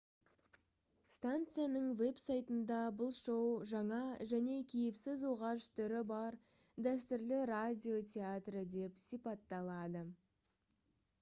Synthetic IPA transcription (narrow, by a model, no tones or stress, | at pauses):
st̪ant̪sɨjanəɴve̞psajt̪ənd̪ɑbʊlˠʃowʒɑɴɑʒæne̞kʲʰejɪpsɪzwo̞ʁɑʃt̪ʰʏɾɪbɑɾ | d̪æst̪ɪɾlɪradʲio̞tʲeat̪rəd̪e̞psipɑt̪ːɑlˠɑd̪ə